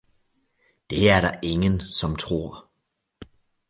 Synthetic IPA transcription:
d̥e̝ɐæɐɾɑ̈ʔe̝ŋənsɒ̽mt͡sʰʁo̝ɐ̰

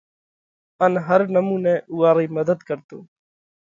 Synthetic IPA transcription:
ənɦəɾnəmũːnẽːʔuːaːɾiːməd̪əd̪kəɾt̪oː

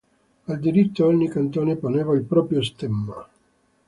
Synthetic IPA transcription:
ald̪iɾit̪ːoɔɲːikant̪oːneponeːvailpɾɔːpɾjost̪ɛmːa

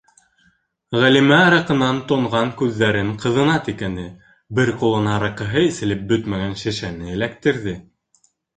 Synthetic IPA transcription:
ʁælimæɑɾɑqɤ̆nɑnt̪ŏɴʁɑŋkʉðːæɾɘɴqɤ̆ðɤ̆nɑt̪ikænd̪ɘ | bɘɾqulˠɤ̆nɑɾɑqɤ̆ɦɤisɘ̆lɘp̚bɵt̪mæɣænʃɘ̆ʃænɘɘ̆lækt̪ɘ̆ɾðɘ

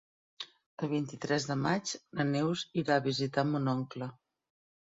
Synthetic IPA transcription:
əlβ̞int̪it̪ɾɛzðəmad͡ʒnənewziɾaːβizit̪amunɔŋklə

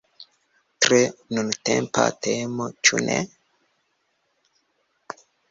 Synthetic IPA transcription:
tɾenuntempa̰temot͡ʃunʔḛ

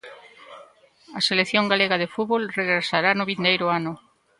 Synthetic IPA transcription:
ɐseleθjoŋɡaleɣaðefuβolreɣɾesaɾanʊβind̪ejɾʊanʊ

